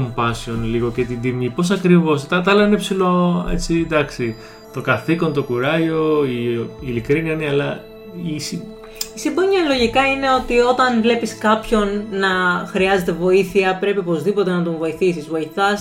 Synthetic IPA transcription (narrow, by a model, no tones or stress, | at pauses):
mpɐsio̞nliɣo̞ce̞t̪id̪imipo̞s̬ɐkɾivo̞st̪ɐt̪ɐlɐinepsilo̞ḛt͡sid̪ɐksi | t̪o̞kɐθiko̞nt̪o̞kuɾɐʝo̞iilikɾiniɐniɐlɐ | isi | isimboɲɐlo̞ʝikɐine̞o̞t̪io̞t̪ɐnvle̞piskɐpço̞nːɐxɾiɐze̞t̪e̞vo̞iθiɐpɾe̞piopo̞zðipot̪e̞nɐt̪ovo̞iθisizvo̞iθɐs